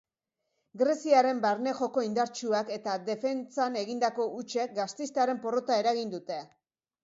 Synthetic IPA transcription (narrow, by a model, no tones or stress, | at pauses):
ɡɾe̞siaɾe̞mbaɾne̞xo̞ko̞ind̪aɾt͡ʃuake̞t̪ad̪e̞fe̞nt͡sane̞ɣind̪ako̞ʔut͡ʃe̞k̚ɡast̪ist̪aɾe̞mpo̞ro̞t̪ae̞ɾaɣind̪ut̪e̞